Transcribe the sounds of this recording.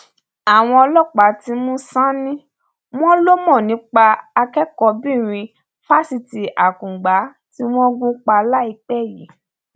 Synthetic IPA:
a˨w̃ɔ̃˧ɔ˧lɔ˦k͡pa˨˦ti˦mũ˦sã˦nĩ˦ | m̃ɔ̃˦lo˦mɔ̃˦˨nĩ˨˦k͡pa˧a˧kɛ˦kɔ˧bĩ˦˨ɾ̃ĩ˧ | fa˦si˧ti˨ʔa˨kũ˨ɡ͡ba˨˦ | ti˦w̃ɔ̃˦ɡũ˦k͡pa˧la˦i˧k͡pɛ˦˨ji˨˦

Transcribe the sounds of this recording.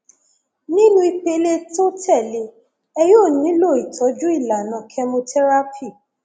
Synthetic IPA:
nĩ˦nũ˦i˧k͡pe˧˦le˦to˦tʰɛ˦˨le˧˦ | ɛ˧joː˦˨nĩ˨˦lo˦˨i˨tʰɔ˨˦d͡ʒu˦i˦˨la˨nã˨kʰɛ˧mõ˧tʰɛ˦ɾa˦pʰi˦˨

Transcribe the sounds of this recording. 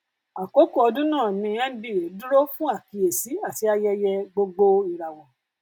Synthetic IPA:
a˨ko˨˦ku˦˨ɔ˧dũ˦nãː˦˨nĩ˧˦jɛ̃˦bi˦˨ɾe˨˦du˦ɾo˦fũ˦a˦˨ki˧e˨si˨˦a˦˨ti˧˦a˧jɛ˧jɛ˧ɡ͡bo˧ɡ͡bo˧i˨ɾa˨wɔ˨

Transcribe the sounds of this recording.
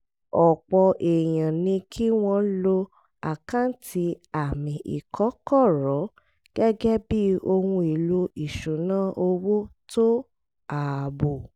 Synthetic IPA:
ɔ˨k͡pɔ˧˨ʔe˨j̃ã˨nĩ˧kʰi˦w̃ɔ̃˧lo˧ | a˨kã˦n˦tʰi˧a˨mĩ˧ʔḭ˨kʰɔ˨˦kɔ˦˨ɾɔ˨˦ | ɡ̥ɛ˦ɡɛ˦bi˦o˧hũ˧i˨lo˧i˨ʃu˨˦nãː˦ʔo˧wo˦to˦ | a˨bo˨

